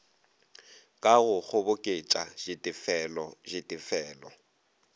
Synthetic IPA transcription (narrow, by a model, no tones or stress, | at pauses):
kʼaɣʊk͡xʰʊbʊkʼet͡ʃʼaʒ̥ɪtʼɪfɛlɔʒɪtʼɪfɛːlɔ